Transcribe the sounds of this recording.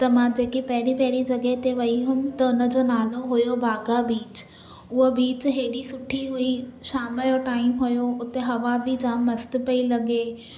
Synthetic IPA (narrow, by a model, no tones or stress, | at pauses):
t̪ɐmãd͡ʑeːkipɐɦɪɾipɐɦɪɽid͡ʑɐɠəɦt̪eʋɐiɦʊm̆t̪ɐʊnə̆d͡ʑoːnaːloɦʊjobʱaːɡabiːt͡ɕ | ʊɦobiːt͡ɕɦeːɗisʊʈʰiɦuiʃaːmɪloʈaːɪmɦʊjoʊt̪eɦɐʋabɪd͡ʑãːmɐst̪ɪ̆pɐilɐɠe